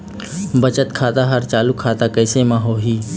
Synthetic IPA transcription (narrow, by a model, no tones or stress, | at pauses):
bət͡ʃət̪kʰaːt̪aɦəɾt͡ʃaːlukʰːaːt̪akəɪsemãːɦoːɦiː